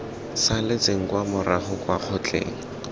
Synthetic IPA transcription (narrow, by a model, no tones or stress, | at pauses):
salɪt͡seŋ̩kwamʊraχʊkwaq͡χʰʊt͡ɬʼḛːŋ̩